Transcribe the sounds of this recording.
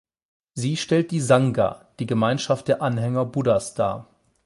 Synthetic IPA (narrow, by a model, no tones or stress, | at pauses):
ziːʃtɛlt̚d̥iːzaŋɡa̰d̥iːɡəmaɪnʃaft̚d̥eːɐʔanɦɛŋɐbudasd̥a̰ː